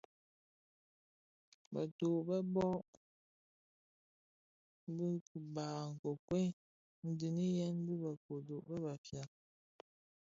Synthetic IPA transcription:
ba̰˨to˨ʔbə˦bɔ˦ʔ | bi˦ku˨baː˨ŋ̩˨ko˨kwe˦ | n̩˦di˨ni˦jɛ˦n˦bi˦ba˨ko˨do˨ʔbɛ˦ba˨fja˨

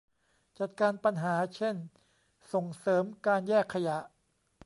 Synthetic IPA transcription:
t͡ɕa˨˩t̪̚kaː˧npa˧nɦaː˩˦t͡ɕʰe˥˩n | so˨˩ŋsɤː˩˦mkaː˧njɛː˥˩kʰːa˧ja˨˩˦ʔ

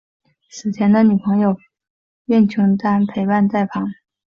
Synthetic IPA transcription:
sɹ̩˨˩t̪ʰjɛ˧˥nd̪ə˧ny˨˩pʰɤ˧˥ŋjo˧˩ʊ | ɛ˥˩nt͡ɕʰu˧˥ŋt̪a˥npʰe˧˥ɪpa˥˧nt͡sa˥˩ɪpʰɑ˧˥ŋ

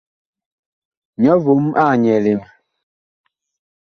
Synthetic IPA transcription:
ɲɔ˨˦vo˨˦mʔa˦˨ɲɛ˨le˨˦m

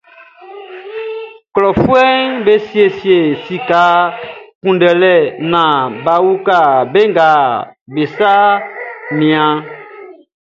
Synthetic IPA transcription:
klɔ˨fu˦ɛ˦ŋbe˦si˦e˦si˨e˨si˨ka˨˦kũ˨ndɛ˨lɛ˦˨nã˨ba˨wu˦ka˦˨be˦ŋɡa˨be˨sa˦ | mĩ˨ã˦

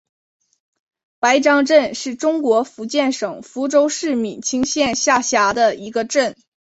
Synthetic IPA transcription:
pa˧˥ɪʈ͡ʂɑ˥ŋʈ͡ʂə˥˧nʂɻ̩˥˩ʈ͡ʂʊ˥ŋkwɔ˧˥fu˧˥t͡ɕjɛ˥˩nʂɤ˨˩ŋfu˧˥ʈ͡ʂo˥ʊʂɻ̩˥˩mi˨˩t͡ɕʰi˥ŋɕjɛ˥˧nɕja˥˩ɕja˧˥d̪ə˧i˧˥ɡə˧ʈ͡ʂə˥˩n

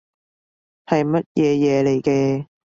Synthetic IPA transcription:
hɐ˨jmɐ˦˥t̚jʔɛː˨˧jɛː˨˧le˨jkɛː˧

